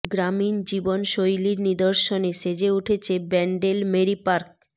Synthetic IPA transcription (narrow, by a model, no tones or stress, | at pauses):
ɡɾamind͡ʑibonʃojliɾnid̪oɾʃoneʃed͡ʑeuʈʰet͡ɕʰebɛɳɖelmeɾipaɾk̚